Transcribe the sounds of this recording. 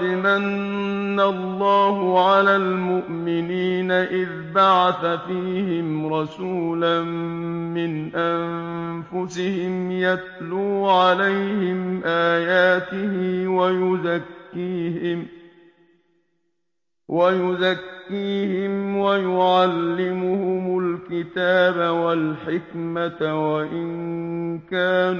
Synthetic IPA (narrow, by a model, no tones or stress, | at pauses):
lɪmanː | alˤːɑːhʊʕalaːlmʊʔmɪniːnaʔɪðbaʕaθafiːhɪmɾˤɑsuːlanːɪnʔanfʊsɪhɪmjat̪luːʕalajhɪmʔaːjaːt̪ɪhɪwajʊzakːiːhm | wajʊzakːiːhɪmwajʊʕalːɪmʊhʊmʊlkɪt̪aːbawalħɪkmat̪waʔɪŋkaːn